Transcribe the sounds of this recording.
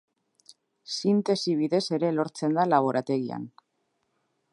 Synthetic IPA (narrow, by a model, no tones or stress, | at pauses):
sint̪e̞siβ̞iðe̞se̞ɾe̞lo̞ɾt͡se̞nd̪alaβ̞o̞ɾat̪e̞ɣia̰n